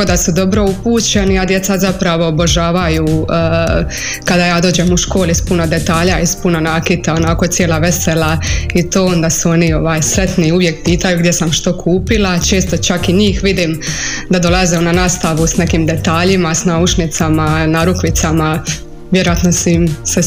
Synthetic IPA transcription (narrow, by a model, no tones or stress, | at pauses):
od̪asud̪o̞bɾo̞upuːt͡ɕe̞niad̪je̞t̪sazapɾaʋo̞ːboʒaːʋaju | kad̪ajaːd̪o̞ːd͡ʑemuʃko̞ːlispunod̪e̞t̪aːʎaispunonaːkit̪ao̞nako̞t̪sjelaʋe̞selait̪oːo̞nd̪asuo̞nio̞ʋaːjsɾe̞t̪niuʋje̞k̚piːt̪ajuɡd̪je̞samʃt̪o̞kʰuːpilˠat͡ʃe̞ːst̪o̞t͡ʃakiɲiːxʋid̪im | d̪ad̪o̞lˠazeonanaːst̪aʋusne̞kimd̪e̞t̪aːʎimasnaut͡ʃnit̪samanaɾuklit̪sama | jeɾojat̪no̞simse